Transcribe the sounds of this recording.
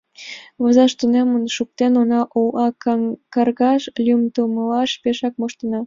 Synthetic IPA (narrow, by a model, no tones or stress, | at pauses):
βozɑʃt̪unemənʃuk̚t̪enonɑʔolɑkɑrɣɑʃlʲymt̪uməlɑʃpeʃɑk̚moʃt̪ənɑ